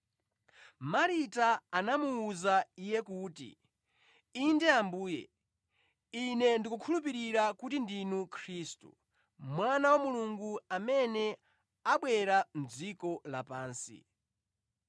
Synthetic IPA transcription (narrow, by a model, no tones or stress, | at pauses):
maɾitaanamuːzaijɛkuːtḭ | indɛambuːjɛ̰ | inɛndikukʰulup̬iɾiɾakutindinukʰɾistṵ | mwanawamuluŋɡuamɛnɛ | aɓwɛɾan̩d͡zikɔla̰paːnsḭ